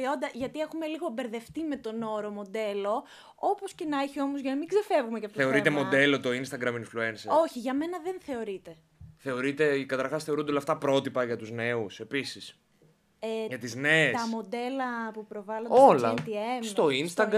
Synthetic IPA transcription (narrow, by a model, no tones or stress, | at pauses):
o̞nd̪ɐʝɐt̪ie̞xume̞liɣo̞be̞ɾðe̞ft̪ime̞t̪o̞no̞ɾo̞mo̞d̪e̞lo̞ | opo̞sce̞nɐeçio̞mozʝɐnɐmiŋɡze̞fe̞vɣumecɐft̪oθeo̞ɾit̪emo̞d̪e̞lo̞t̪o̞inst̪ɐɡɾɐminfluenseo̞çiʝɐme̞nɐðenθe̞o̞ɾit̪e̞ | θe̞o̞ɾit̪e̞kɐt̪ɐɾxɐsθeɾund̪eolɐft̪ɐpɾo̞t̪ipɐʝɐt̪uzne̞use̞pisis | eʝɐt̪izne̞ːt̪sɐmo̞d̪e̞lɐpupɾo̞vɐloolɐt̪iemsst̪o̞inst̪ɐɡ